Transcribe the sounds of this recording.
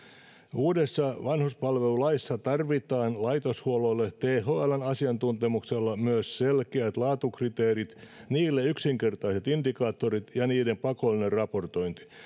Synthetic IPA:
uːdesːɑʋɑnhuspɑlʋelulɑisːɑt̪ɑrʋit̪ɑːnlɑit̪oshuoloilːet̪eːhoːælænɑsiɑnt̪unt̪emukselːɑmyøsselkeæt̪lɑːt̪ukrit̪eːrit̪niːlːeyksiŋkert̪ɑiset̪indikɑːt̪ːoɾit̪jɑniːdempɑkolːinerrɑport̪oint̪i̥

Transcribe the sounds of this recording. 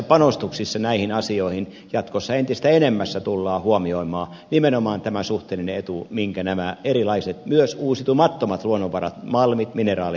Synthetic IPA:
pɑnost̪uksisːɑnæihinɑsioihin | jɑt̪kosːɑent̪ises̆t̪æenemːæsːæt̪ulːɑːhuomioimˑɑː | nimenomɑːnt̪æmæsuht̪eːlineet̪umiŋkænæmæerilɑiset̪myøsuːsiet̪umɑt̪ːomɑt̪luonːoʋʋɑrɑ̰t̪mɑlmit̪minerɑːli

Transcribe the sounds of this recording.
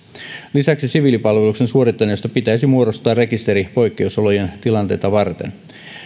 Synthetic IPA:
lisæksisiʋiːlipɑlʋeluksensuo̞rit̪ːɑneːst̪æpit̪æisimuoɾo̞st̪ˑɑːrre̞kist̪e̞ɾipo̞jkːe̞usolojent̪ilɑnt̪ejt̪ɑʋɑrt̪ḛn

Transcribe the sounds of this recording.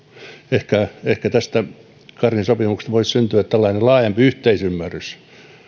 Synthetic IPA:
ehkæehkæt̪æst̪æ | kɑrjinsopimukst̪ʋoissynt̪yæt̪t̪ælːɑinelɑːjɑmpiyht̪eisymːærːys

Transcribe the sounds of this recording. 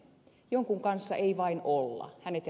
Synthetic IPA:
joŋkuŋkɑnsːɑʔeiʋɑinolːɑ̰hænet̪

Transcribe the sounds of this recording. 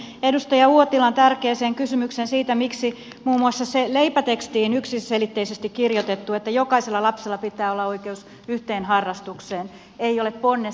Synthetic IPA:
edust̪ɑjɑuot̪ilɑnt̪ærkeːseːŋkysymyksensiːt̪æmiksi | muːmuɑsːɑseleipæt̪ekst̪iːnyksiselit̪ːeisest̪ikkirjot̪et̪ːuet̪ːæjokɑiselːɑlɑpselːɑpit̪ːˑæːolːɑoikeus | yht̪eːnhɑrːɑst̪ukseːn | eiolepponːe

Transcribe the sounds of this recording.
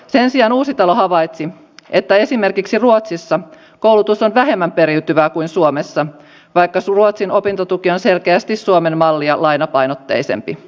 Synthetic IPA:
se̞nsiɑnuːsit̪ɑlo̞ɦɑʋɑjt̪si | ʔe̞t̪ːæe̞sime̞rkiksiruot̪sisːɑ | ko̞wlut̪usonʋæɦe̞mːæmpe̞ɾiwt̪yʋæːkuinsuomesːɑ | ʋɑjkːɑsruot̪sino̞pint̪ot̪ukio̞nse̞lkeæst̪isːuome̞nmɑlːiɑlɑjnɑpɑjnot̪ːe̞̰jse̞̰mpi

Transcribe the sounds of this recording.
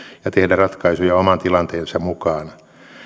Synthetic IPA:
jɑt̪ehdærrɑt̪kɑisujɑomɑnt̪ilɑnt̪eːnsɑmmukɑːn

